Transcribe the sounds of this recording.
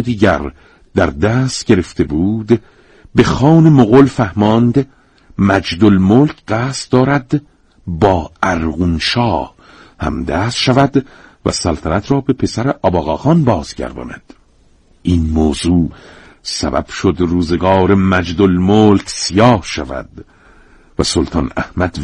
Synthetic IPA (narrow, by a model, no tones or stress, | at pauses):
d̪iːɟæɾ | d̪æɾd̪æːst̪ɟe̞ɾe̞ft̪ʰe̞buːd̪ | be̞xɒːnemoɣolfæhmɒnd̪ | mæd͡ʒd̪olmoːlcʰɢæːst̪d̪ɒːɾæd̪ | bɒːæɾɣunʃɒːh | hæ̰md̪æːsʃævæd̪ | væ̰sælt̪ʰænæt̪ʰɾɒːbe̞pʰe̞sæɾeʔɒːbɒːɣɒːxɒnbɒːz̥ɟæ̰ɾd̪ɒ̰ːnæ̰d̪̥ | inmoːzuː | sæ̰bæ̰b̥ʃod̪ruːzeɡɒːɾemæd͡ʒd̪olmoːlcʰsijɒːhʃævæ̰d̪̥ | væsolt̪ʰɒːnæ̰hmæd̪